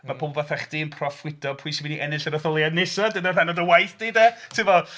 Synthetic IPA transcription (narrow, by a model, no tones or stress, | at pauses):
mapʰoːbvaθɛχd̥iənpʰrɔfwɪd̥ɔpʰʊɨsiwiniʔɛnɪɬaɾaθɔlˠjadnɪsɔdɪnaθanɔdəwajθd̥idɛtʰɪvɔ